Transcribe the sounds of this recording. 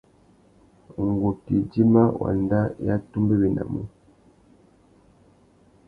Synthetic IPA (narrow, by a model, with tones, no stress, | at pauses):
ŋ̩˨ɡo˨ti˨d͡ʒi˦ma˦wʔa̰˨nda˦ja˦tu˦mbe˦bi˨na̰˨mu˦